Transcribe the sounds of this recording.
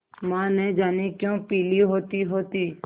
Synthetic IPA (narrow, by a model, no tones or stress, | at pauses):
mãːnẽd͡ʒaːnikjõːpiːliɦoːt̪iːɦoːt̪iː